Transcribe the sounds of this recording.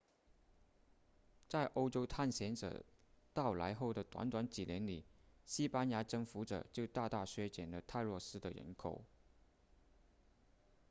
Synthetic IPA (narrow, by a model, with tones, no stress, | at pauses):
t͡sa˥˩ɪʔo˥ʊʈ͡ʂo˥ʊt̪ʰa˥˩nɕjɛ˧˥nʈ͡ʂɤ̰˨˩t̪ɑ˥˩ʊla̰˧˥ɪxo˥˩ʊd̪ə˩t̪wa̰˧˥nt̪wa˧˥nt͡ɕi˨˩ljɛ˧˥nli˨˩˦ɕi˥pa˥nja˧˥ʈ͡ʂɤ˥˩ŋfu˧˥ʈ͡ʂɤ̰˨˩t͡ɕjo˥˧ʊt̪a˥˧t̪a˥˩ɕɥɛ˥t͡ɕjɛ˨˩nlə˦t̪ʰa˥˧ɪlwɔ˥˩sɹ̩˥d̪ə˨ɻə̰˧˥nkʰo̰˨˩ʊ